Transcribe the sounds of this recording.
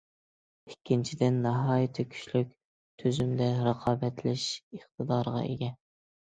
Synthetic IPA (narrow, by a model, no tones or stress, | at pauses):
ikʲːint͡ʃʰid̪ɪnːɑɦɑːjit̪ʰɪkʲʰy̥ʃlyk̚ʲ | t̪ʰøzymd̪ɛɾɑqʰɑːbɛt̪ʰlɪʃəχt̪ʰəd̪ɑːɾəʁɑ̰ḛɡʲɛn